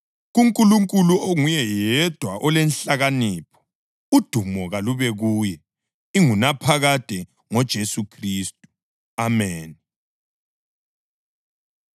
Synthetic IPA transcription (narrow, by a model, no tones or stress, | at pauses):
ɣuŋkʼuluŋkʼuluoŋujɛjɛd̥ʱwaʔɔlɛnɬaɣaniːpʰɔ̥ | ud̥ʱumɔɣaluβɛɣujɛ | iŋunapʰaɣad̥ʱɛ | ŋɔd̥ʒ̥ʱesukʰriːstʼu̥ | amɛːn